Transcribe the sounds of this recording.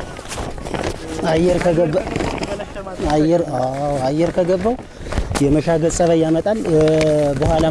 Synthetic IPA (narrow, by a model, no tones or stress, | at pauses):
ajːɛɾkʰəɡəbː | ajːɛɾawajːɛɾkʰəɡəbːəw | jɛməʃaɡəsʼəβəjamət̪ʼal | bəɦwala